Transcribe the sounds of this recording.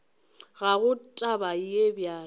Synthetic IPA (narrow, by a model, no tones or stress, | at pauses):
ɣaɣʊtʼabaijebjaː